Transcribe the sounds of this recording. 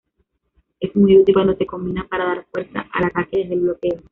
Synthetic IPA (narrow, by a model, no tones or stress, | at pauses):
e̞smujut̪ilkwand̪ose̞ko̞mbinapaɾaðaɾfwe̞ɾsa̰ʔa̰lat̪akeðezðe̞lβlo̞ke̞o